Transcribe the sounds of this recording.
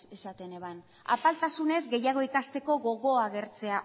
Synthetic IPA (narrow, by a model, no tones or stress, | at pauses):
esat̪e̞ne̞βan | a̰palt̪asune̞zɡe̞jaɣ̞o̞ikast̪e̞ko̞ɣo̞ɣo̞aɣ̞e̞ɾt͡se̞a